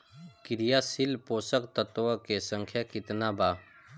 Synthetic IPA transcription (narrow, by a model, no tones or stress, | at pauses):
kɪɾijaːsɪlpoːsəkt̪ət̪ʋakesə̃ŋkʰjakɪt̪nabaː